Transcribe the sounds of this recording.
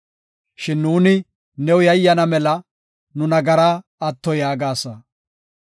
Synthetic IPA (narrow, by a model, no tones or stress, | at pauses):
ʃɪnːuːnɪ | nɛwʊjɐjːɐnɐmɛlɐ | nʊnɐɡɐɾaː | ɐt̪ːɔjaːɡaːsɐ